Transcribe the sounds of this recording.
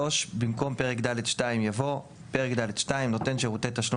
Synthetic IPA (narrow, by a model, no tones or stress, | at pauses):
o̞ʃbimko̞mpe̞ʁ̞ekd̪ale̞dʃtaimjavo̞ | pe̞ʁekd̪aledʃtaimno̞t̪e̞nʃe̞ʁut̪et̪aʃlo